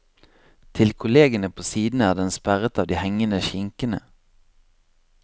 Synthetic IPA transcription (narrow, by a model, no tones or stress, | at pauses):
t̪ʰɪlkʰʊleːɡənəpʰoːsiːd̪n̩æːd̪ɛnspæʁət̪ɑːʋd̪iːhɛŋənəʃɪŋkənə̰